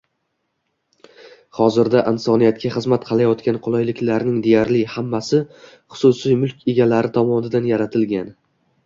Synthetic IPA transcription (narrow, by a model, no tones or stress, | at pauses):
χɒzɪɾd̪aʔɪnsɒnijat̪̚kʲʰaχɨzmat̪̚qʰɨlˠajɒt̪kʲanqʰʊlˠɒjlɪkʲlaɾnɪŋd̪e̞jaɾlɪhamːasɪ | χʊ̥sʊsijmʊlˠkʲʰeɡʲalaɾɪt̪ʰɒmɒnɪd̪anjaɾat̪ʰɪlɡʲan